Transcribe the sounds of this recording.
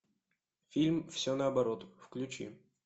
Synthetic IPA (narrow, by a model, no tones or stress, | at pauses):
fʲilʲmfsʲonɐɐbɐɾot̪fklʲʉt͡ɕḭ